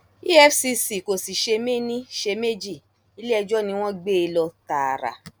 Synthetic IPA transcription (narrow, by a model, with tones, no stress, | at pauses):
i˦ɛ˦fsi˧si˨ko˨si˨ʃe˧me˦nĩ˦ʃe˧me˦d͡ʒi˦˨ | i˨˦le˦ɛ˧d͡ʒɔ˦nĩ˧w̃ɔ̃˦ɡ͡be˦˨˧lɔ˧ta˨ɾa̰˨